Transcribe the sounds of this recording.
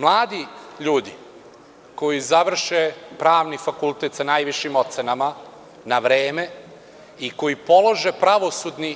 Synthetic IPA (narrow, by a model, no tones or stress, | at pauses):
mlˠaːd̪iʎuːd̪i | ko̞jizaʋr̩ʃepɾaːʋnifakulˠt̪e̞t̪sanaːjʋiʃimo̞t̪senama | naʋɾeːme̞ | iko̞jipo̞lˠo̞ʒe̞pɾaʋo̞sud̪ni